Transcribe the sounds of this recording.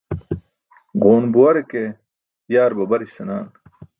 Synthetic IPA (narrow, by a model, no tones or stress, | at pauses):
ʁoːnbuwɐɾeke | jaːɾbɐbɐɾisɐnaːn